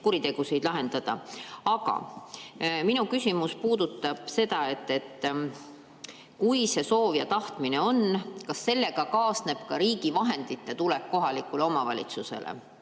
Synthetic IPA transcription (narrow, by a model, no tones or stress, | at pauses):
kuɾit̪e̞ɡ̥usijd̪̥lɑɦe̞nd̪̥ɑd̪̥ɑ̰ɑɡɑ̰ | minukysʲimuspuːd̪̥ut̪ːˑɑb̥se̞d̪̥ɑe̞t̪ːe̞t̪ː | kujse̞so̞ːvjɑt̪ɑht̪mine̞o̞nkɑsːe̞lːe̞ɡɑkɑːsne̞b̥kɑɾiːɡivɑɦe̞nd̪̥it̪ːˑet̪ulɛkkːo̞ɦɑlikuleo̞mɑvɑlʲḭt̪suse̞̰lḛ